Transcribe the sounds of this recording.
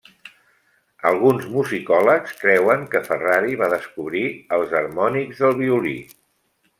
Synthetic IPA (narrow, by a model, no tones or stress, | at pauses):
əlˠɣunzmuzikɔləkskɾɛwəŋkəfəraɾiβaðəskuβɾiəlˠzəɾmɔnikzðəlˠβiulḭ